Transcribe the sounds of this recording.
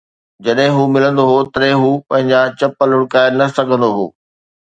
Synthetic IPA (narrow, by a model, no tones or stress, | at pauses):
d͡ʑɐɗɦɪ̃ɦuːmɪlə̃nd̪oɦot̪ɐɾɛ̃ɦuːpɐ̃ɦɪ̃ɲd͡ʑat͡ɕɐpəlʊɽkaːɪɾnɐsɐɡʱə̃nd̪oɦo̰ː